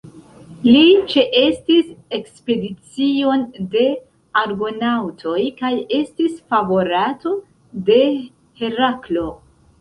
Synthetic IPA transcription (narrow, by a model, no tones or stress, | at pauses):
lit͡ʃe̞ʔe̞stise̞kspe̞dit͡sio̞nde̞ | aɾɡo̞nawtʰo̞jkaje̞stisfavo̞ɾato̞ | de̞ | he̞ɾaklo̞